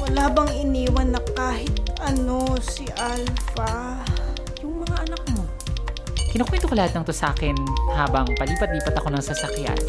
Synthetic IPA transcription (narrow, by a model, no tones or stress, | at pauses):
laːbɐŋʔɪniːwɐnːɐkaːhɪt̪̚ʔɐno̞siʔalfɐ | jʊŋmɐŋaʔɐnɐk̚mo̞ | kɪnɐkwɛːnt̪okolɐhat̪nɐŋt̪osɐʔaːkɪnhaːbɐŋpɐliːpɐt̪̚liːpɐt̪ɐko̞nɐŋsɐsɐkja̰n